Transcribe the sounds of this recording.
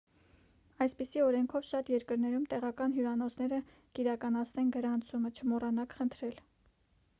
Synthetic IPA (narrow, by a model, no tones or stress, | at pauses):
ɑjspisiɔɾɛŋkʰɔvʃɑt̪jɛɾkəɾnɛɾumt̪ɛʁɑkɑnɦjuɾɑnɔt͡sʰnɛɾə | kiɾɑkɑnɑt͡sʰnɛnɡəɾɑnt͡sʰumət͡ʃʰəmɔrɑnɑkχənt̪ʰɾɛl